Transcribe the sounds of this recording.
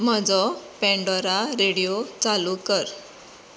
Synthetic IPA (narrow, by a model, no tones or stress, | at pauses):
m̤əd͡zɔpɛ̃ɳɖɔɾaɾeɽijot͡salukəɾ